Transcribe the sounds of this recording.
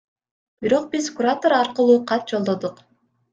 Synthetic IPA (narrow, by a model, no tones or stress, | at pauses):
b̥iɾo̞q̚bizkuɾat̪oɾɑɾqɯlˠuːqʰɑt̪̚d͡ʒo̞lˠd̪o̞d̪uq